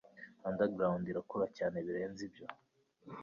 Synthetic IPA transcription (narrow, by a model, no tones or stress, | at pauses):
andaɡɾaundiɾakoɾacaːne̞βiɾe̞ːnzibjo